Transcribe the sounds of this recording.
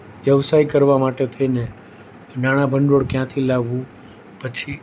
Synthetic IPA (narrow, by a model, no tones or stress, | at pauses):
ʋjəʋsaikəɾʋamaʈet̪ʰəine | naɽ̃abʱəɳɖoɽkjãt̪ʰilaɡʋũ | pət͡ʃʰi